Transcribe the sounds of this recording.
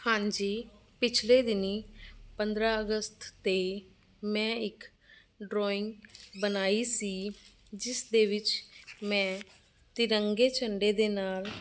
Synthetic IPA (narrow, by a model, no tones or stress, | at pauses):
hãːɲd͡ʒiː | pɪt͡ʃʰleːd̪ɪniːpənd̪ɾaːəɡəst̪ʰːeː | mɛ̃ːɪk | ɖɾoːɪ̃ŋɡbənaːiːsiː | d͡ʒɪsd̪eːʋɪt͡ʃmɛ̃ː | t̪ɪɾəŋɡeːt͡ʃəɳɖeːd̪eːnaːl